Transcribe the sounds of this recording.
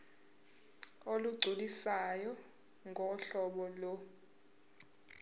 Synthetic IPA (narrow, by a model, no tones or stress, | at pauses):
oluɡ͡ǀʱulisajɔ | ŋʱɔɬɔɓɔlɔ